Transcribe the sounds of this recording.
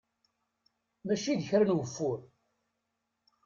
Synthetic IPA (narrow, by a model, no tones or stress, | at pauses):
mæʃiðəçɾənwəfːʊɾ